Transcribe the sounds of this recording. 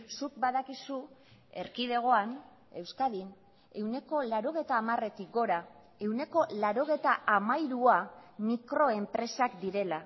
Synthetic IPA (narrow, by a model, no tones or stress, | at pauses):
suk̚baðakisu | e̞̰ɾkið̞e̞ɣ̞o̞an | e̞wskaðin | e̞wne̞ko̞laɾo̞ɣ̞e̞jt̪aːmare̞t̪ik̚ɡo̞ɾa | e̞wne̞ko̞laɾo̞ɣ̞e̞t̪aʔamajɾuamikɾo̞e̞mpɾe̞sakd̪iɾe̞la